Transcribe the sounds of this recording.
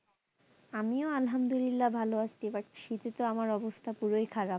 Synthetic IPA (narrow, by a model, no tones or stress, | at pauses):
amioalɦamd̪ulilːabʱaloaʃt̪ibakʃit̪et̪oamaɾɔbost̪ʰapuɾojkʰaɾa